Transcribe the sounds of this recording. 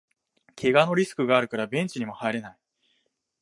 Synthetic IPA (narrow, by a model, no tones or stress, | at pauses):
kʰe̞ɡano̞ɾʲisɨ̥kɯ̟ɡaːɾɯ̟kaɾabẽ̞ɲ̟t͡ɕiɲ̟imo̞haiɾe̞nai